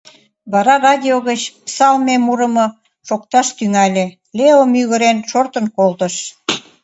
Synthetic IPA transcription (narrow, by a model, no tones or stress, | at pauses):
βɑɾɑrɑdʲioɣət͡ɕpsɑlmemuɾə̆mɤ | ʃok̚t̪ɑʃt̪yŋælʲe | leomjyɣə̆ɾenʃort̪ə̆nkolt̪ə̆ʃ